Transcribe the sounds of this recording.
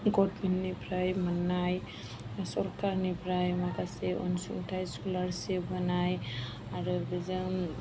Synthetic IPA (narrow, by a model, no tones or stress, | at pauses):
ɡɔʈbinːipɾajmanːaj | sɔɾkaɾnipɾajmakaseɔ̰nsṵŋʈʰajskulaɾsebənaj | aɾbeza